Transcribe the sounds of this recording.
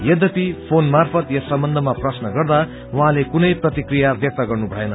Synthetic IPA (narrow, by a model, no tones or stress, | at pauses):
jʌd̪ʌpipʰonmarpʰʌt̪jʌsʌmbʌnd̪ʱʌmaprʌsnʌɡʌrd̪a | wɦãlekunʌjprʌt̪ikrijabjʌk̚t̪ʌɡʌrnubʱʌenʌ